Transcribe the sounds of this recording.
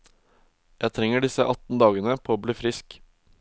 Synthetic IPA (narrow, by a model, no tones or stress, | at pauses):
jæɪt̪ʰɾɛŋəɖɪsəʔɑt̪n̩d̪ɑːɡənəpʰoːoːbliːfɾɪsk